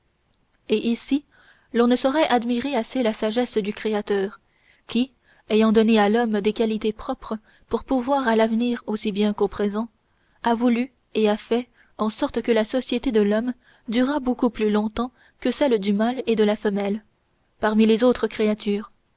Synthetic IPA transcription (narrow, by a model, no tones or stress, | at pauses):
eʔisi | lɔ̃nəsɔʁɛʔad̪miʁeaselasaʒɛsd̪ykχeat̪œːʁ | kʲi | ejɑ̃d̪ɔnealɔmd̪ekalit̪epχɔpχə | puʁpuvwaʁalavniːʁosibjɛ̃kopχezɑ̃ | avuly | eafɛ | ɑ̃sɔʁt̪kəlasɔsjet̪ed̪əlɔm | d̪yʁabokuplylɔ̃t̪ɑ̃ | kəsɛld̪ymaled̪əlafəmɛl | paʁmilezot̪χəkχeat̪ʰyːʁ